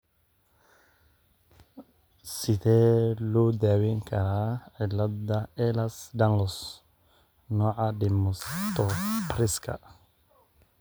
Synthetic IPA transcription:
sɪðɛːlɔːd̪aːwɛŋkʰɐɾaːʕɪlːɐd̪ɐɛlɐsd̪ɐnlɔs | nɔːʕɑɖɪmɔst̪ɔɾɪskʰɐ̰

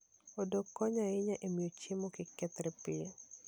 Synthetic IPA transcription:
odokːɔɲaɪɲaʔemijot͡ʃemokɪkɛt̪ɾɛpɪe

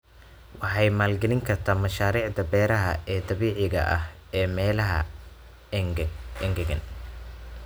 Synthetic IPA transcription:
wɑħɑjmaːlɡɐlɪŋkʰɐrt̪ʰɐːmɐʃaːɾiːʕd̪ɐbɛːɾɐɦɐʔɛːd̪ɐβiːʕɪɣɐ̰ʔɐ̰h | ɛːmɛːlɐɦɐ̰ | ɛŋɡɐɡɐ̰n

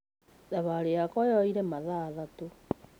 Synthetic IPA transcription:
daβaɾeakɔjɔiɾemaðaðato

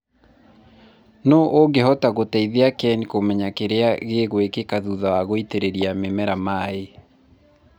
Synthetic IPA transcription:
noʔoŋɡeɦɔtaɣotɛiðeakɛnikomɛɲakeɾeaɣeɣwekekaðuðawaɣoiteɾeɾiamemɛɾamaːe

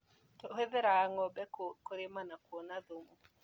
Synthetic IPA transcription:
tɔɦɛðɛɾaŋɔbɛkkoɾɪmanakwɔnad̪umu

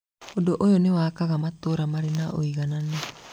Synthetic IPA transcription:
odoʔojonewakaɣamat̪oɾamaɾenaʔoiɣanane

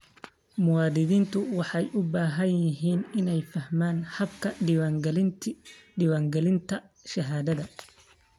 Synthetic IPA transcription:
mʊwɑːd̪ɪðiːnt̪ʰʊwɑħɑjʔʊbaːɦɐnjjɪɦiːnɪnɛjfɐhmaːnhɐbkʰɐwɡl | ɪwaːŋɡɛlɪnt̪ʰɐʃɐɦaːðɐðɐ

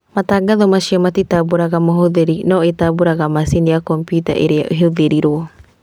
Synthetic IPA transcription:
mat̪aɡaðomasiomat̪itabuɾaɡamoɦoðeɾinoʔetabuɾaɡamasiniakompjuta̰ʔeɾeaʔɦeuðeɾiɾo

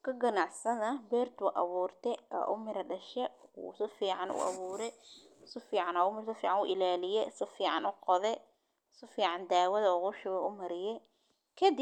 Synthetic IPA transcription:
kʰɐɡɐnaʕsɐðɐbɛːrt̪ʊʔɐβuːrt̪ʰɛɐ̰ːʔʊmɪɾɐɖɐʃɛ̰sɪfiːʕɑnʊ̰ʔɐ̰βuːɾɛsʊfiːʕɑnaːʊmɪɾsɔfiːʕɑnʊʔɪlaːlɪjɛsɪfiːʕɑ̰nʊqɔðɛ | sʊfiːʕɑnd̪aːwɐðɐɔʁʊʃʊwɛʊmɐɾɪjɛ | kʰɐd̪ɪ

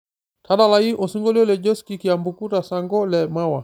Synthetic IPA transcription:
tʰaɗalaiʔɔsiŋɡɔliɔlɛd͡ʒɔskikiambukutasaŋɡɔlɛmawa

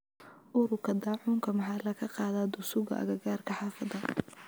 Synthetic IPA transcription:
ʔʊɾʊkʰɐd̪ɑːʕuːŋkʰɐmɐħɑːlɐkʰɐqɑːðaːd̪ʊsʊɣɐ̰ʔɐ̰ɣɐɣaːrkʰɐħɑːfɐðɐ

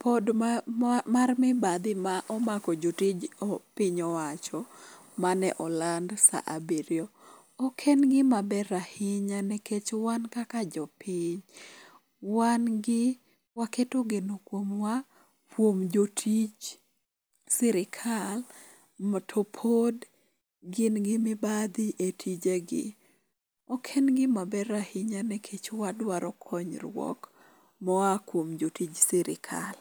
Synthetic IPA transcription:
pod | marmɪbad̪ɪmaʔɔmakɔd͡ʒotid͡ʒɔpɪɲɔwat͡ʃɔ | manɛ̰ʔɔlandsa̰ʔabeɾjɔ | ɔkʰenɡɪmabɛɾahɪɲanɛkʰet͡ʃwankakad͡ʒɔpɪɲ | wanɡɪ | waketoɡenokwomwa | kwomd͡ʒotʰid͡ʒ | sɪɾɪkʰal | mɔtʰopʰod | ɡɪnɡɪmɪbad̪iʔetʰid͡ʒeɡɪ̰ | ɔkʰenɡɪmabɛɾahiɲanɛkʰet͡ʃwadwaɾɔkʰɔɲɾwɔ̰k | mɔakwomd͡ʒotid͡ʒsɪɾɪ̰kʰa̰l

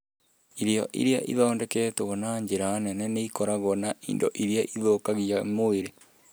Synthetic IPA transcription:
iɾeɔ̰ʔḭɾeaʔḭðɔːndɛkɛtoɣɔnaɲd͡ʑeɾanɛnɛneikɔɾaɣɔnaʔḭndo̰ʔiɾeaʔiðokaɣiamoeɾe

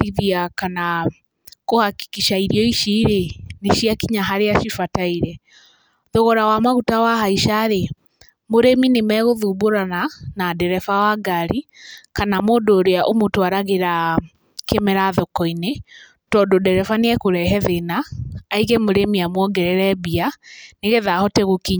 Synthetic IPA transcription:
iðiakana | kohaki̥kiʃaiɾiɔiʃiːɾeneʃiakiɲaɦaɾeaʃifataiɾɛ | ðoɣɔɾawamaɣutawaɦaiʃaɾe | moɾeminemɛɣoðuːboɾananadɛɾɛfawaɡaɾikanamoːdoːɾeaʔomotwaɾaɣeɾa | kemɛɾaðɔkɔine | tɔdodɛɾɛfaneɛkoɾɛɦɛðenaːiɣɛmoɾemiamwɔɡɛɾɛɾɛbianeɣɛðahɔtɛɣokiɲ

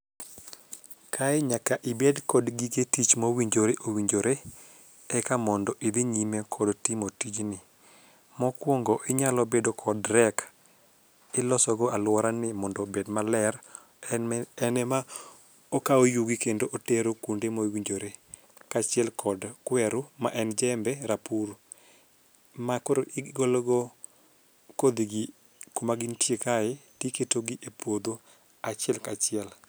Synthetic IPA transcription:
kʰaɛɲakaʔɪbedkɔdɡiɡetit͡ʃmowiɲd͡ʒoɾeʔowiɲd͡ʒoɾe | ɛkamɔndɔʔid̪ɪɲimekʰɔdtimotid͡ʒnɪ | mɔkwoŋɡɔʔɪɲalɔbedokʰɔdɾɛk | ɪlɔsɔɡɔalwɔɾanɪmɔndɔbedmalɛɾ | ɛnɛma | okaojuɡikendoʔoteɾokundemowiɲd͡ʒoɾe | kat͡ʃɪɛlkʰɔdkwɛɾuma̰ʔɛnd͡ʒɛmbɛɾapuɾ | makoɾoʔɪɡolɔɡɔ | kod̪iɡɪ | komaɡintjekaɪtiketoɡɪʔepwod̪o | at͡ʃɪɛlkat͡ʃɪɛl

